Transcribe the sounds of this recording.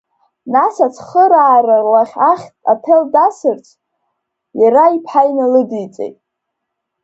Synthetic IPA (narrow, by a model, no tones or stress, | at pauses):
nasat͡sʷʰχəɾaːrarlaχʲaχʲtʼatʰeldasɨrt͡sʷʰ | jaɾaipʰħajnɨlɨdijt͡sʼḛjtʼ